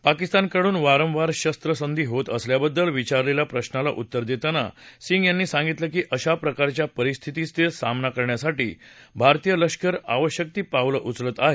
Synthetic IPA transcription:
pakist̪ankəɽuːnʋaɾə̃mʋaɾɕəst̪ɾəsənd̪iːɦot̪əsljabəd̪ːəlʋit͡ɕaɾlelapɾəɕnala̰ʔut̪ːəɾd̪et̪ana̰siŋɡjanːiːsãŋɡit̪ləkiːʔəɕapɾəkaɾt͡ɕjapəɾist̪ʰit̪ist̪esamnakəɾɳjasaʈiːbʱaɾt̪ijələɕkəɾa̰ʋəɕjək̚t̪iːpawləʔut͡slət̪aɦe

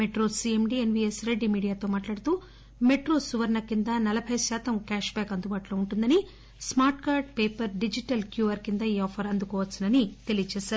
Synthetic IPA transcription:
meʈɾoːsiemɖienʋiːesɾe̞ɖːimiːɽijaːt̪oːmaːʈlaːɽut̪uː | me̞ʈɾoːsuʋɐɾnɐkːind̪ɐnɐlɐbʰʱɐjsaːt̪ɐmkaːʃbɛːkɐnd̪ubaːʈlo̞ːuɳʈund̪ɐni | smaːɾʈkaːɾɖpeːpɐɾɖid͡ʒiʈɐlkjuːʋɐɾkind̪ɐioːpʰɐɾɐnd̪ukɔːʋɐt͡ʃːsːɐnɐnit̪e̞lijɐt͡ʃɛːʃaːɾu

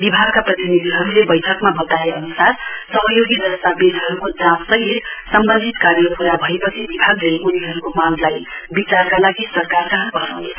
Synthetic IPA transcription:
bibʱaɡkaprʌt̪inid̪ʱiɦʌɾulebʌjʈʰʌkmabʌt̪aeʌnusarsʌɦʌjoɡidʌst̪abed̪ɦʌɾukod͡zãmsʌɦit̪sʌmbʌnd̪ʱit̪karjʌpuɾabʱʌepʌt͡sʰibibʱaɡleʔuniɦʌɾukomanlajbit͡sarkalaɡisʌrkarsaɦʌnpʌsʌne

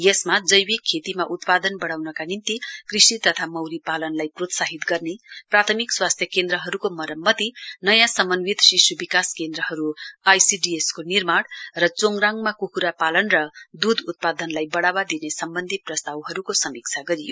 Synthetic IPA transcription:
jʌsmad͡zʌjwikʰːet̪imaʔut̪pad̪ʌnbʌɽ̃awnʌkanint̪ikrisit̪ʌt̪ʰamʌwɾipalʌnlajprot̪saɦit̪ɡʌrneprat̪ʰʌmikswast̪ʰjʌkend̪ɾʌɦʌɾukomʌɾʌmːʌt̪inʌjãsʌmʌnwit̪ʃisubikaskend̪ɾʌɦʌɾuajsiɖieskonirmaɽrʌt͡soŋɡraŋmakukuɾapalʌnrʌd̪ud̪ut̪̚pad̪ʌnlajbʌɽawad̪inesʌmbʌnd̪ʱiprʌst̪awɦʌɾukosʌmik̚t͡sʰaɡʌɾijo

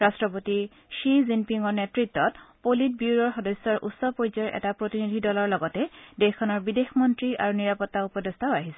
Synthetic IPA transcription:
ɹastɹɔpoti | ʃizimpiŋɔɹnetɹitːɔtpolit̚buuɹɔɹxɔdɔsːɔɹʔṵtsɔpojzɔɹʔɛ̰tapɹotinid̪ʱidɔlɔɹlɔɡɔtɛdexʰɔnɔɹbidexmɔntɹia̰ɹuniɹapɔtːaupɔdest̪ʰaʊaɦisɛ

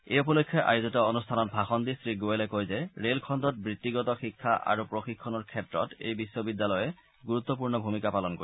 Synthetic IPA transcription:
ejupɔlokʰːjɔʔa̰juzɔtɔonustʰanɔt̚bʱaxɔndisɹiɡoelɛkojzɛɹelkʰɔndɔt̚bɹit̪ːiɡɔtɔxikʰːaʔa̰ɹupɹoxikʰːɔnɔɹkʰɛtɹɔ̰tḛjbisːɔbidːalɔjɛ | ɡuɹut̪ːɔp̬uɹnɔbʱumikapalɔnko̰ɹi

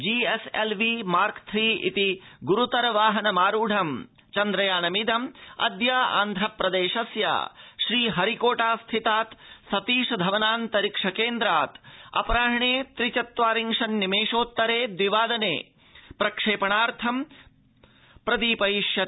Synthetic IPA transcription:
d͡ʒiːeselʋimaːɾkt̪ʰɾiːḭt̪iɡuɾut̪ɐɾɐʋaːɦɐnɐmaːɾuːɖʱɐm | t͡ʃɐnd̪ɾɐjaːnɐmid̪ɐmɐ̰d̪jaːʔa̰ːnd̪ʱɾɐpɾɐd̪eːʃɐsja̰ːʃɾiːɦɐɾikoːʈaːst̪ʰit̪aːt̪sɐt̪iːʂɐd̪ʱɐʋɐnaːnt̪ɐɾikʂɐkeːnd̪ɾaːt̪ɐ̰pɐɾaːɦɐɳeːt̪ɾit͡ʃɐt̪ʋaːɾiŋʂɐnːimeːʂoːt̪ːɐɾeːd̪ʋiʋaːd̪ɐnḛː | pɾɐkʂeːpɐɳaːɾt̪ʰɐm | pɾɐd̪iːpɐjiʂjɐ

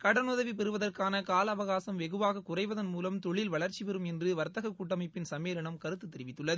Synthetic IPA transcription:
kɐɽɐnʊðɐʋipɛɾɯʋɐðɐrkaːnɐkaːlɐːʋɐɣaːsɐmʋɛɣɯʋaːɣɐkːʊrɐɪʋɐðɐnmuːlɐmt̪ɔɭːɪlʋɐɭɐɾt͡ʃːiʋɛɾɯmɛndrɯʋɐɾt̪ɐɣɐkːuːʈːɐmɐɪpːɪnsɐmeːlɐɳɐmkɐɾɯt̪ːɯt̪ːɛɾɪʋɪt̪ːɯɭːɐð

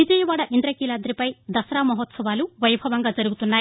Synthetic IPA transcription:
id͡ʒɐjɐʋaːɽɐʔind̪ɾɐkiːlaːd̪ɾipɐjd̪ɐsɾaːmɐɦɔt̪sɐʋaːluʋɐjbʱɐʋɐŋɡaːd͡ʒɐɾuɡut̪unːaːji

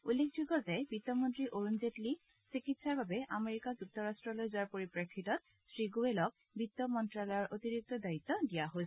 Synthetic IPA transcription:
ulːekʰd͡ʑuɡɔzɛbit̪ːɔmontɹiʔoɹunzetli | sikitsaɹbabɛʔameɹikazuk̚tʰɔɹastɹɔlojzuaɹpoɹipɹekʰːitɔt̚ | sɹiɡuwelɔk̚ | bit̪ːɔmɔntɹalɔjɔɹʔot̪iɹik̚t̪ɔdait̪ːɔdijaɦojs

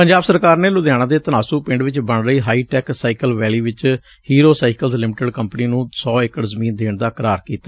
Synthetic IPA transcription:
pəɲd͡ʒaːbsəɾkaːɾneːlʊd̪ɛːɽ̃ãːd̪eːt̪ənaːsuːpɪ̃ɳɖʋɪt͡ʃbəɳɾəiːɦaːiːʈɛːksaːikəlʋɛːliːʋɪt͡ʃ | hiːɾoːsaːɪkəlzlɪmɪʈəɖkəmpniːnũːsɔːekəɽzəmiːnd̪eːɳd̪aːkɾaːɾkiːt̪aː

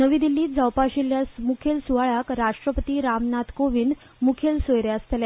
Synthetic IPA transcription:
nəʋiːd̪ilːiːt̪d͡zawpaɕiljasmukʰelsuʋaɭakɾaʂʈɾəpət̪iːɾamnat̪koʋiːn | mukʰelsojɾeast̪ele

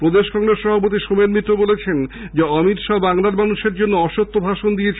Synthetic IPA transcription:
pɾod̪eʃkɔŋɾesʃɔbop̬ot̪̬iʃomeɾmit̪ːɾobolet͡ɕʰend͡ʑeɔmit̪ʃabaŋlaɾmanuʃeɾd͡ʑonːoɔʃot̪ːobʱaʃond̪ijet͡ɕʰ

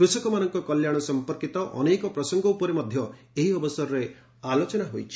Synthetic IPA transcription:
kɾusɔkɔmanɔŋkɔkɔljaɽ̃ɔsɔmpɔɾkit̪ɔʔɔ̰nekɔpɾɔsɔŋɡɔupɔɾemɔd̪ʱjɔ | eɦiɔbɔsɔɾɔɾe | alot͡ʃɔnaɦojt͡ʃʰi̥

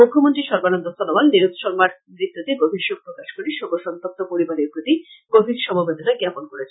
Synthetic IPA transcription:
mukʰːomont̪ɾiʃɔɾbanond̪ost̪onɔbalniɾot̪ʃɔɾmaɾ | ɾit̪ːot̪eɡobʱiʃopɾokaʃkoɾiʃoɡoʃɔnt̪ok̚t̪opoɾibaneɾpɾot̪i | ɡ̥obʱiɾʃɔmobed̪onaɡɛponkoɾet͡ɕʰe

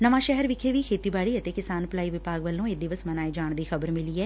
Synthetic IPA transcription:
nəʋãːʃɛɦɛɾʋɪkʰeːʋiːkʰeːt̪iːbaːɽiːət̪eːkɪsaːnplaːiːʋɪpaːɡʋəlːõːeːd̪ɪʋəsmənaːeːd͡ʒaːɳd̪iːxʰəbəɾmɪliːɛː

